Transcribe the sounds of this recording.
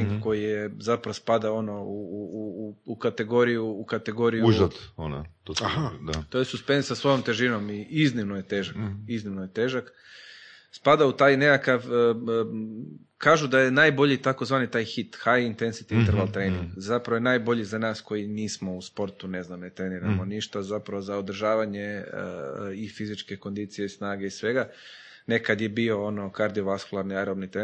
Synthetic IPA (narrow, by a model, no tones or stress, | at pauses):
iŋɡko̞jijezapɾaʋospad̪ao̞no̞uː | kat̪e̞ɡo̞ɾijuːkat̪e̞ɡo̞ɾijuuʒat̪ona̰t̪oaad̪at̪ojesuspend̪sasʋojomt̪e̞ʒino̞miiznimnojet̪e̞ːʒakiznimnojet̪eːʒak | spad̪aut̪aːjnekakaʋ | kʰaːʒud̪aje̞naːjbo̞ʎit̪akozʋaːnit̪aːjxit̪xajiint̪ensi̥t̪iint̪eɾʋalˠt̪ɾeːniŋɡzapɾaʋojenaːjbo̞ʎizanaːsko̞jiniːsmo̞uspo̞ɾt̪une̞znamne̞t̪ɾeːniɾamoniʃt̪azapɾaʋozaod̪r̩ʒaːʋaɲe | ifizit͡ʃke̞ko̞nd̪iːt̪sijeisnaːɡeisʋe̞ɡa | ne̞kad̪je̞bio̞ono̞kaɾd̪io̞ʋaskulˠaɾniajɾobnit̪ɾe